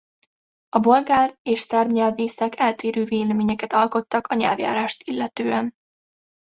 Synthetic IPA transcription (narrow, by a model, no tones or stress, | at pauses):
ɒbo̞lɡaːreːʃsɛrbɲɛlveːsɛkʰɛlt̪eːɾøːveːlɛmeːɲɛkɛt̪ɒlko̞t̪ːɒkʰɒɲɛ̰lvja̰ːɾaːʃt̪ilːɛt̪øːɛn